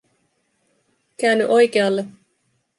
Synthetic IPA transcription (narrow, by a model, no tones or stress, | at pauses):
kæːnːyʔo̞jke̞ɑlːe